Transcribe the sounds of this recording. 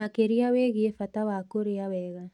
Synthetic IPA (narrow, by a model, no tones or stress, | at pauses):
akeɾiaweɣiefatawakoɾeawɛɣa